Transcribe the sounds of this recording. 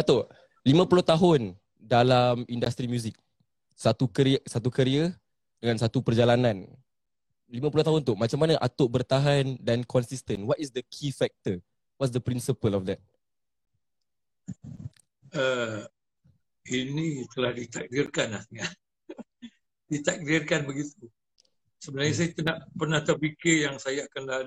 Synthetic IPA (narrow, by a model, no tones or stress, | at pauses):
at̪o | limãpulʊht̪aɦʊn | dalamindast̪ɾimjuzik̚ | sat̪ukəɾsat̪ukəɾiə | dəŋansat̪upərd͡ʒalanãn | limãp̬ulʊht̪aɦʊnt̪ʊmat͡ʃamːanəʔat̪ʊʔbərt̪aɦandankʰɔnsist̪ənwɔtisd̪əkʰifɛk̚t̪ə | wɔtsdəpɾinsipəlɔfd̪ɛt̚ | ə | inĩt̪əlahdit̪ak̚dɪrkanlaht̪əŋa | dit̪ak̚dɪrkanbəɡit̪u | səbənarɲas̬ajat̪ənaʔpərnaht̪apikijaŋsajaakanla